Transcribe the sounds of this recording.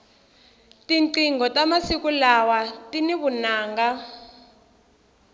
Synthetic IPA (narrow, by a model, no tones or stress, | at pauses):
tiŋǀiŋɡɔtamasikulawatiniβunaːŋɡa